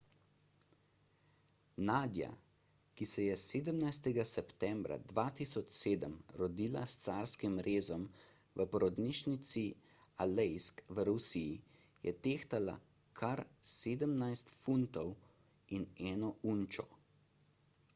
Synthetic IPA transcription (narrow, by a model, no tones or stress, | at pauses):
naːd̪ja̰ | kisɛjɛseːd̪əmnajst̪ɛɡasɛpt̪ɛmbɾa̰d̪ʋaːt̪iːsɔt͡ʃseːd̪əmɾɔd̪iːla̰st̪saːɾskimɾeːzɔm | ʋəpɔɾɔd̪niːʃnit̪si | alɛjskʋəɾusiji | jɛ̰t̪eːxt̪ala̰ | kʰaɾseːd̪əmnajst̪funt̪ɔw | inɛːnɔunt͡ʃɔ